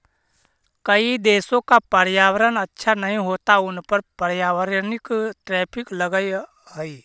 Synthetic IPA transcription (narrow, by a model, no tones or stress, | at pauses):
kɐid̪eːsõkapɐɾjaːwəɾənɐtːʃʰanɐɦĩɦoːt̪aʊnpəɾpəɾjaːwəɾnɪkʈɾɛːpʰɪklɐɡəj | ɦɛi